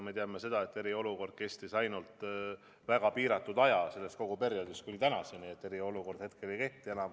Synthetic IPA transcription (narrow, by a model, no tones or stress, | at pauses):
me̞t̪eɑme̞se̞d̪̥ɑe̞t̪ːe̞ɾio̞luko̞rd̪̥̚ke̞st̪isɑjnult̪ˑ | væɡ̥ɑpiːɾɑt̪ːˑud̪̥ɑjɑse̞lːe̞st̪̚ko̞ɡ̥upe̞ɾjo̞d̪ist̪kunit̪ænɑseniet̪ːe̞ɾio̞luko̞rd̪̥het̪̚ke̞le̞jke̞ht̪ˑie̞nɑm